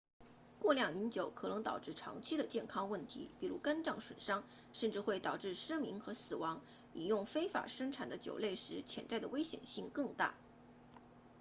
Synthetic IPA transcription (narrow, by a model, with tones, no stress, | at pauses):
kwɔ˥˧ljɑ˥˩ŋi˧˥nt͡ɕjo˨˧˥ʊkʰɤ˨˩nɤ˧˥ŋt̪ɑ̰˨˩ʊʈ͡ʂɻ̩˥˩ʈ͡ʂʰɑ̰˧˥ŋt͡ɕʰi˥d̪ə˨t͡ɕjɛ˥˩nkʰɑ˥ŋwə˥˩nt̪ʰḭ˧˥pi˨˩ɻṵ˧˥ka˥nʈ͡ʂɑ˥˩ŋʂwə̰˨˩nʂɑ˥ŋ | ʂə˥˧nʈ͡ʂɻ̩˥˧xwe˥˩ɪt̪ɑ˨˩ʊʈ͡ʂɻ̩˥˩ʂ̩˥mi˧˥ŋxɤ˧˥sɹ̩˨˩wɑ˧˥ŋ | i˨˩jʊ˥˩ŋfe˥ɪfa̰˨˩ʂɤ˥ŋʈ͡ʂʰa̰˨˩nd̪ə˦t͡ɕjo̰˨˩ʊle˥˩ɪʂɻ̩˧˥t͡ɕʰjɛ̰˨˩nt͡sa˥˩ɪd̪ə˩we˥ɪɕjɛ̰˨˩nɕi˥˧ŋkɤ˥˧ŋt̪a̰˥˩